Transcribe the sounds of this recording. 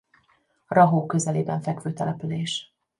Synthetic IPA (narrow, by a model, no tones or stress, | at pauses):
rɒɦoːkø̞zɛleːbɛɱfɛkʋøːt̪ɛlɛpyleːʃ